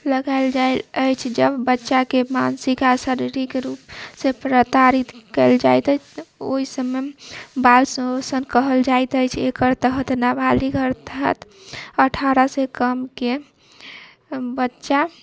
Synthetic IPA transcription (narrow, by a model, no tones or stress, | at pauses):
ləɡaeld͡ʒaeləjt͡ʃʰd͡ʒəbbətːʃakemansikasəɾiɾikɾupsepɾət̪aɾit̪kəɪld͡ʒajt̪ət͡ʃʰt̪oɦisəməbalsə̃osənkəɦəld͡ʒajt̪əjt͡ʃʰekəɾt̪əɦət̪nabʱaliɡʱəɾt̪əɦə̰t̪əʈʰaɾəsekəmke | bətːʃa